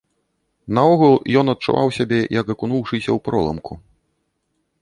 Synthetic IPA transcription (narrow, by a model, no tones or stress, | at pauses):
nɐɔɣulˠjɔnɐt̪̚t͡ʂṵva̰wsʲabʲɛjɐkɐkunuwʂɨsʲɐwpɾɔlˠɐ̰mku